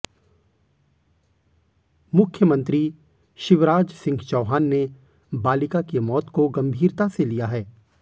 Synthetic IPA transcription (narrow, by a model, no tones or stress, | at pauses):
mʊkʰjəmə̃nt̪ɾi | ʃɪʋɾaːd͡ʒsɪ̃ŋɡt͡ʃɔːɦaːnːe | baːlɪkakemɔːt̪koɡɐ̃mbʱiːɾt̪aselijaɦɛː